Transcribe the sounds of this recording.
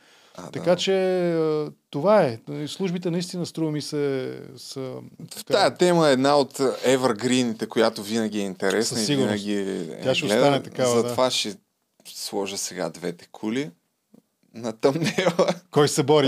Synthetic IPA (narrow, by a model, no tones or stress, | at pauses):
a̰t̪ɐkat͡ʃɛət̪ovaɛslˠuʒbit̪ɛnɐist̪inəst̪ɾuvəmisɛsə | ajət̪ɛməɛːd̪naot̪ɛvəɾɡɾinit̪ɛkojat̪ovinəɡʲiɛint̪ɛɾɛsəiviɡʊɾnɐɡ̟ʲiɛ̰aʃɛlɛanɛt̪ɐkaavzɐt̪ovaʃɛ | slˠɔʒəsɛɡa̰d̪vɛt̪ɛ̥kʰuli | nɐt̪ɐmnɛləkɔjsɛbɔɾi